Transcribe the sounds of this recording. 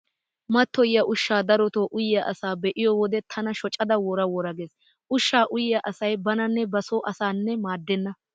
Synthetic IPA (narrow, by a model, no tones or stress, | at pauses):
mɐt̪ːɔjɐʔʊʃːaːd̪ɐɾɔt̪oːʔʊjːɐʔɐsaːbɛʔɪjɔwɔd̪ɛt̪ʰɐnɐʃɔt͡ʃʼːɐd̪ɐwɔɾɐwɔɾɐɡeːs | ʔʊʃːaːʔʊjːɐʔɐsɐjbɐnɐnːɛbɐsoːʔɐsaːnːɛmaːd̪ːɛnːɐ